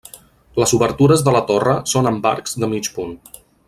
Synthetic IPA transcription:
ləzuβəɾt̪uɾəzðələt̪orəsonəmba̰ɾkzd̪əmit͡ʃpun

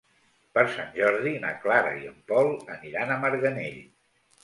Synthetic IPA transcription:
pəɾsanʒɔɾðinə̰klaɾə̰iəmpɔlˠəniɾanəməɾɣəneʎ

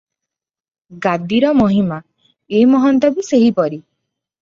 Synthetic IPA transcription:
ɡad̪iɾɔmɔɦima | emɔɦɔnt̪ɔbiseɦipɔɾi

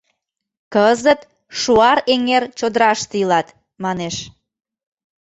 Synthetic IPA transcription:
kəzət̪ | ʃuɑɾeŋert͡ɕod̪əɾɑʃt̪ilɑt̪ | mɑneʃ

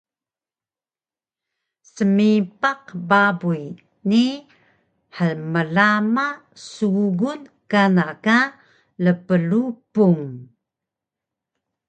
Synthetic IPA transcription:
səmipaqbabuj | ni | ħəlməlama | suɡunkanaka | ləpəlupuŋ

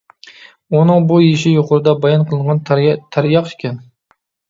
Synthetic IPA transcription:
unɨŋbujiʃɪjoqʊɾɨd̪ɑbɑjɑnqʰəlˠɨɴʁɑnt̪ʰæɾjɑqʃkʲʰɛn

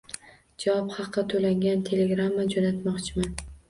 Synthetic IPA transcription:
d͡ʒawɒphɑqːɑt̪ʰolaŋɡʲant̪ʰe̞le̞ɡɾamːad͡ʒonat̪mɒqt͡ʃʰɪman

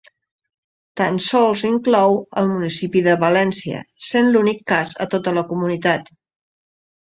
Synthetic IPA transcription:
t̪ansɔlˠziŋklɔwəlˠmunisipiðəβəlɛnsiə̰senlunikːazə̰t̪ot̪ələkumunit̪at̪

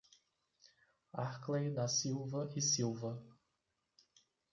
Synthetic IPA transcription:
aχklejd̪ɐsiwvɐʔɪsiwvɐ

